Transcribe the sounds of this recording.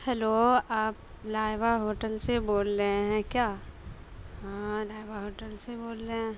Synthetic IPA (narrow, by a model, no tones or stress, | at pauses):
hɛloaːp̚ | laːɪʋaɦoːʈəlseboːlːə̃ɦɛ̃kjaː | ɦãlaːɪʋaɦoːʈəlseboːlːeɦɛ̃